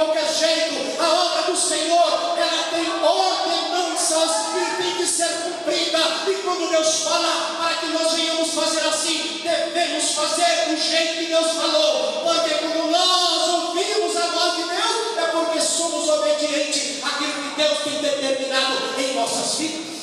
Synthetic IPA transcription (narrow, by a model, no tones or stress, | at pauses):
awkɛɾʒejt̪ʊ | aɔd̪ɾɐd̪ʊsẽɲoɾɛlɐt̪ẽj̃ɔɾt̪ẽmɐ̃w̃sɐspɪɾmĩt͡ʃɪseɾkũpɾid̪ɐ | ɪkwɐ̃nd̪ʊd̪ewsfɔlɐ | paɾɐkɪnɔzvẽɲɐ̃mʊsfazeɾasĩ | d̪evẽmʊsfazeɾʊʒejt̪ʊkɪd̪ewsfalowpoɾk̪ekõmʊnɔzovimʊzanɔd͡ʒɪmew | ɛpoɾkesõmʊzobed͡ʒiẽnt͡ʃɪ | akilʊkɪd̪ewst̪ẽj̃d̪eɾt̪eɾmĩnad̪ʊ | ẽj̃nɔsɐzvid̪ɐs